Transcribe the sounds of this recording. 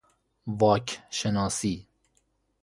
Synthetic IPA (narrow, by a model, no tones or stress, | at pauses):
ʋɒːkʰʃenɒːsiː